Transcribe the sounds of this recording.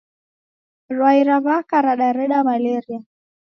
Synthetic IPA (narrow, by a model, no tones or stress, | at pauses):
ɾwaiɾaβakaɾaɗaɾɛɗamalɛɾia